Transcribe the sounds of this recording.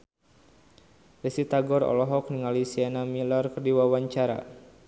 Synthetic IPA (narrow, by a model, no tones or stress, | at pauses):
rɛsit̪aɡɔɾɔ̰lɔɦɔk̚niŋalisianamilɔrkərdiwawaɲt͡ʃaɾa̰